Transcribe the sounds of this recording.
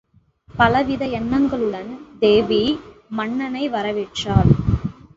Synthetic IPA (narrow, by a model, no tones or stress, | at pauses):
pɐlɐʋɪðɐjɛnːɐŋɡɐɭɯɽɐnd̪eːʋimɐɳːɐnɐɪʋɐɾɐʋɪʈːraːl